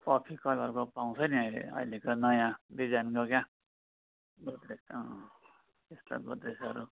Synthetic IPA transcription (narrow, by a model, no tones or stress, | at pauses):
pʌpʰikʌlʌɾkopaw̃t͡sʰʌniʌjlḛʌ̰ilekonʌjãbid͡zanɡokjã | ɡod̪esʌ | t̪est̪a̰ɡo̰d̪esʌɾu